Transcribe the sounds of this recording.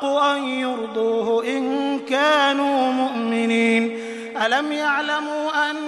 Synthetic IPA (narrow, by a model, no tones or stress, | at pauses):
qʊʔanjʊɾd̪ˤuːhʊʔɪnkaːnuːmʊʔmɪniːn | ʔalamjaʕlamuːʔanː